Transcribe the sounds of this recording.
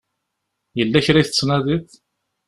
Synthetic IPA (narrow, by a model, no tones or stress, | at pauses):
jəlːæçɾiθət͡sːnæðiθ